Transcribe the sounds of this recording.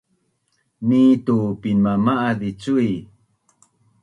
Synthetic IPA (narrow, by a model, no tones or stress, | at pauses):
nitupinmamaʔaðit͡sui